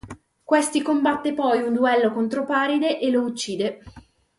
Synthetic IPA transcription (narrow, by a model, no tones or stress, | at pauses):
kwest̪ikombat̪ːepɔjund̪uɛlːokont̪ɾopaːɾid̪eʔelout͡ʃːiːd̪e